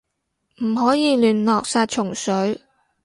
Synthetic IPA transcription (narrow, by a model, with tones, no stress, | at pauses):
m̩˨˩ɦɔː˨˥jiː˨˧lyː˨nlɔː˨k̚saː˧t̚t͡ʃʰʊ˨˩ŋsɵ˨˥ɥ